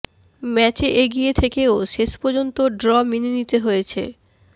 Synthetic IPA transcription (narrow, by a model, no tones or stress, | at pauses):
mɛt͡ɕeʔeɡiet̪ʰekeoʃeʃpoɾd͡ʑont̪oɖɾɔmininit̪eɦojet͡ɕʰḛ